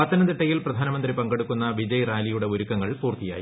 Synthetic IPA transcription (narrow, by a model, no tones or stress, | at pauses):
ɐt̪ːɐnɐd̪iʈːɐjilprɐd̪ʱaːnɐmɐnd̪ripɐŋɡɐɽukːunːɐʋid͡ʑɐjraːlijuɽe̞oɾukːɐŋːɐɭpuːrt̪ija̰ːji